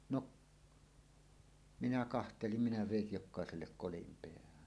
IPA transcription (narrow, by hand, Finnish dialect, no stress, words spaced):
noʔ minæ kɑhtelim minæ ʋeˑij jokˑɑˑeselːek kolim peæhæn